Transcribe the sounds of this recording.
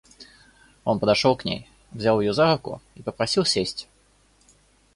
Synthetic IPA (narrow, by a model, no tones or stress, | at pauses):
ɔnpɐd̪aʂɔwknʲḛj | vzʲawjjɔzaɾʊkʊ̰ipɐpɾasʲiwsʲesʲt͡sʲ